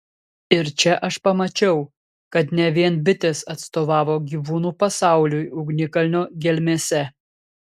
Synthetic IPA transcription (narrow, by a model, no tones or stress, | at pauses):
ɪɾt͡ʃʲɛʔɐʃpɐmɐt͡ʃʲɛʊ | kɐt̪nʲɛʋʲiɛnbʲɪt̪ʲɛsɐt̪st̪oːʋɑːʋoːɡʲiːʋuːnuːpɐsɑˑʊlʲʊjʊɡnʲɪkɐlʲnʲoːɡʲɛlʲmʲeːsʲɛ